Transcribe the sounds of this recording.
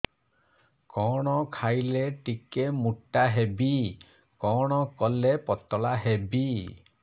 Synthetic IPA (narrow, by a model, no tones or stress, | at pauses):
kɔɽ̃ɔkʰajleʈikemuʈːaɦebi | kɔɽ̃ɔkɔlepɔt̪ɔlaɦebi